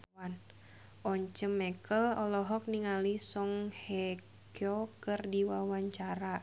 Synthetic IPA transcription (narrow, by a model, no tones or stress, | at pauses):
an | ɔɲt͡ʃəmːɛkəlɔlɔɦɔk̚niŋalisɔŋhɛ | kjɔkɨrdiwawaɲt͡ʃaɾa